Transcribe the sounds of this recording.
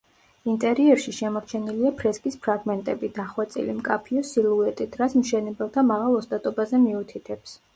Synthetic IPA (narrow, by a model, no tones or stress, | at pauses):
int̪ʼɛɾiɛɾʃiʃɛmɔɾt͡ʃʰɛniliapʰɾɛskʼispʰɾaɡmɛnt̪ʼɛbid̪aχwat̪sʼḭlimkʼapʰiɔsilˠuɛt̪ʼit̪ʰɾat̪sʰmʃɛnɛbɛlˠt̪ʰamaʁalˠɔst̪ʼat̪ʼɔbazɛmiut̪ʰit̪ʰɛps